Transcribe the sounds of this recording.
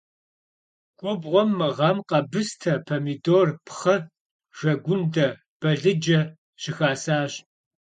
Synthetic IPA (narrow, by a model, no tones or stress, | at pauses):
ɡ̥ʷʼɔbʁʷɔmːɨʁɐmqɐbɨstʰɐpʰɐmidoːrpχɐ | ʒ̥ɐɡʷʊndɐ | b̥ɐɮɨd͡ʒɐ | ɕɪxaːsaːɕ